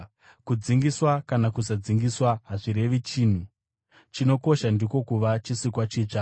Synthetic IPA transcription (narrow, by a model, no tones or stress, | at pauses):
kud͡ziŋɡiswakanakusad͡ziŋɡiswaɦaʐiɾe̞ʋit͡ʃiːn̤u | t͡ʃino̞ko̞ʃandiko̞kuʋat͡ʃisikwat͡ʃiːt͡ʂa